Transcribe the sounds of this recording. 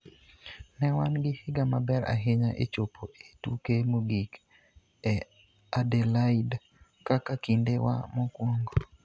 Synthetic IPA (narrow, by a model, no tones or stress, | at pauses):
nɛwanɡɪhɪɡamabɛɾa̰ɦeɲaʔḛt͡ʃopʰoʔetukemoɡik | ɛ | adelaid | kakakindewa̰mokwɔŋɡo